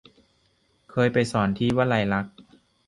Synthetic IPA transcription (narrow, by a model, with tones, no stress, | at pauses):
kʰɤː˧jpa˧jsɔː˩˦nt̪ʰiː˥˩waː˥˨la˧˩jla˦˥k̚